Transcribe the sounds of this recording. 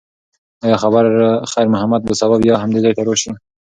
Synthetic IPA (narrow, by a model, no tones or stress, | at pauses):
ɑjɑxabaɾxajɾmʊɦamad̪̚bəsababjɑhamd̪ezejʈ̪aɾoʃi